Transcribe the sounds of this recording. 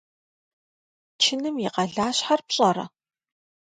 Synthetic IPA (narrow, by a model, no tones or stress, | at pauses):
t͡ʃʰɪnɨmjɪqɐɮaːɕħarpɕʼɐrɐ̰